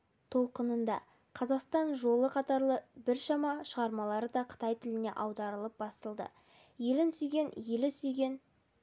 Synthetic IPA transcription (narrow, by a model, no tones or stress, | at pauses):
t̪ʰo̞lˠqənənd̪ɑ̰ | qʰɑzɑqst̪ɑnʒo̞lˠəqʰɑt̪ɑɾlˠəbɪɾʃɑmɑʃəʁɑɾmɑlˠɑɾəd̪ɑqʰə̥t̪ɑjt̪ʰɪlɪne̞̰ʔɑwd̪ɑɾəlˠəp̚bɑsəlˠd̪ə̰ | je̞lɪnsʏjɡʲe̞nje̞lɪsʏjɡʲe̞n